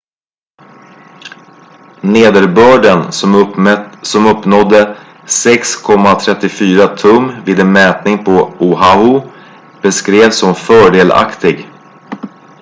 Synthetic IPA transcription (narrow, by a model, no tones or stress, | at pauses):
neːd̪əɾbœːɖən | sɔmɵpːnɔd̪ːə | sɛkskʰɔmːat̪ʰɾɛt̪ːɪfyːɾat̪ʰɵmvɪːd̪ɛnmɛːt̪nɪŋpʰɔuɦaʊ | b̥ɛskɾeːvsɔmfœːɖeːla̰kt̪ɪɡ